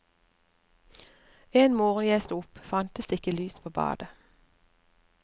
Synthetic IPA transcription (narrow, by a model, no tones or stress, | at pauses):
eːnmoːʁənjɛːst̪ʊpfɑnt̪əsd̪eɪkəlyːspʰoːbɑ̰ːd̪ə